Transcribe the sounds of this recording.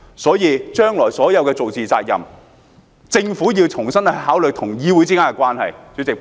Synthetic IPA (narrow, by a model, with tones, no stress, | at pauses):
sɔː˨˥jiː˨˧t͡ʃœː˥ŋlɔː˨˩jsɔː˨˥jɐ˨˧wkɛː˧t͡so˨wt͡siː˨t͡sa̰ː˧k̚jɐ̰˨˩m | t͡sɪ˧ŋfuː˨˥jiː˧wt͡sʰʊ˨˩ŋsɐ˥nɐ˨ɦaː˨˥wlɵ˨k̚t̪ʰʊ˨˩ŋjiː˨˧wu˨˧˥t͡siː˥ka˥kɛ˧kwaː˥nhɐ̰˨jt͡syː˨˥t͡sɪ˨k̚